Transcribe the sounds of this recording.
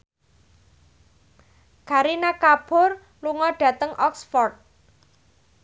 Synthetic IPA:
kaɾinakab̥ʊr | luŋɔɖ̥ä̤t̪əŋʔɔksfɔrt̪̚

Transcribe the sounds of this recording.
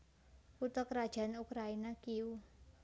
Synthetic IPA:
put̪ɔkɾad̥ʒ̥a̤nukɾainakiu

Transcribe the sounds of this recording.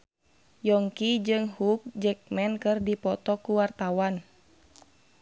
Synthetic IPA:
jɔŋkid͡ʒɨŋhuk̚d͡ʒɛk̚mɛnkɨrdipɔt̪ɔkuwart̪awan

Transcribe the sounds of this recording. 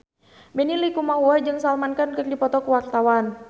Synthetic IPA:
bɛnilikumaɦuad͡ʒɨŋsalmankankər̚dipɔt̪ɔkuwak̚t̪awan

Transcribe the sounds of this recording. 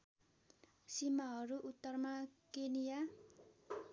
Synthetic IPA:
simaɦʌɾuʔut̪ːʌrmakenija

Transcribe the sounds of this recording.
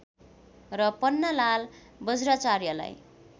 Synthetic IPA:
rʌpʌnːʌlal | bʌd͡zrat͡sarjʌla̰j

